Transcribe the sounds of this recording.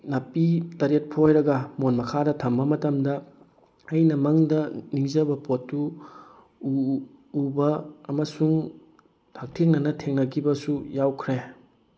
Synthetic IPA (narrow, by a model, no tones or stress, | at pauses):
nɐpitɐɾet̚pʰojɾɐɡɐmonmɐkʰadɐtʰɐmbɐmɐtɐmdɐ | ɐjnɐmɐŋdɐniŋzɐbɐpotːu | bɐːmɐsuŋ | tʰak̚tʰeŋnɐnɐtʰeŋnɐkʰibɐsujawkʰɾe